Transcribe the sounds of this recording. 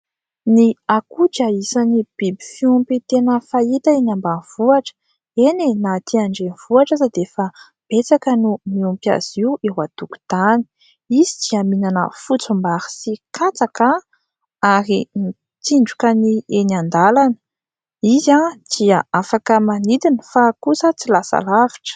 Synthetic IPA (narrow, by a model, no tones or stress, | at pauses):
niakuʈ͡ʂaisanib̥ibi̥fiumpet̪enəfait̪aenambanv̥uaʈ͡ʂə̥ | enenat̪ʰiaɳɖ͡ʐeniv̥uaʈ͡ʂazad̪efa | b̥et͡sakənumiumpja̰z̥iueɦwat̪uku̥t̪ani̥ | izit͡siaminanə̰fut͡sumbaɾi̥sikʰat͡saka | aɾimi | t̪iɳɖ͡ʐukənienand̪alanə | izad̪̥iaafakəmanid̪inifakusət͡silasa̰laviʈ͡ʂə̥